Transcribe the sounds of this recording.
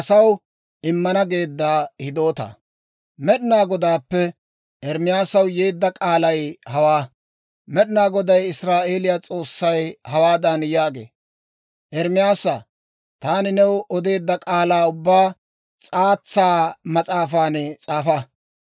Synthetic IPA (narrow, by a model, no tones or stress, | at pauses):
ɐsɐw | ɪmːɐnɐɡe̞ːd̪ːaːhɪd̪o̞ːt̪ɐ̰ | mɛɗɪnaːɡɔd̪aːpːɛ | ʔɛɾmɪjaːsɐwjeːd̪ːɐkʼaːlɐjhɐwaː | mɛɗɪnaːɡɔd̪ɐjɪsɾaːʔe̞ːlɪjat͡sʼo̞ːsːɐjhɐwaːd̪ɐnjaːɡe̞̰ː | ʔɛɾmɪjaːsɐ | t̪aːnɪnɛwɔd̪e̞ːd̪ːɐkʼaːlaːʊbːaː | t͡sʼaːt͡sːaːmɐt͡sʼaːfaːnɛt͡sʼaːfɐ